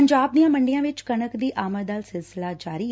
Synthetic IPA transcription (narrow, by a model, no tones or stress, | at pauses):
əɲd͡ʒaːb̚d̪ijãːməɳɖijãːʋɪt͡ʃkənəkd̪iːʔaːməɾd̪aːlsɪlsɪlaːd͡ʒaːɾiː